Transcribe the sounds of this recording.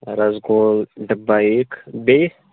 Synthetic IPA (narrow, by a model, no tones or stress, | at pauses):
ɾɐzɡoːlɖəbaeːkbeː